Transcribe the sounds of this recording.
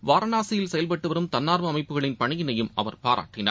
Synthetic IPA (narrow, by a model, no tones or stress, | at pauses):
ʋaːɾɐnaːsɪjɪlsɛjɐlpɐʈːɯʋɐɾɯmt̪ɐnːaːɾʋɐːmɐɪpːɯɣɐɭɪnpɐɳɪɣɪnɐjɯmʔɐ̰ʋɐɾpaːɾʔa̰ːʈːɪna̰ː